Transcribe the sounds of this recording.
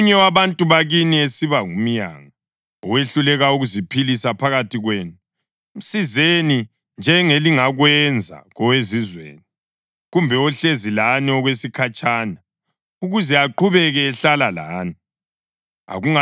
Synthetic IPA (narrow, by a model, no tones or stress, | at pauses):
ɲɛwaβantʼuβaɣiniesiβaŋum̩ɲa̰ːŋa | ɔweɬulɛɣauɣuzipʰilisapʰaɣatʰiɣweːnu | m̩sizeni | nd͡ʒʱɛŋeliŋaɣwɛnd͡zʱa̰ɣɔwezizwḛːni | ɣumbʱɛɔɬezilaniɔɣwesikʰat͡ʃʼaːna | uɣuzɛaǃʰuβɛɣɛːɬalala̰ːni | a̰ɣuŋa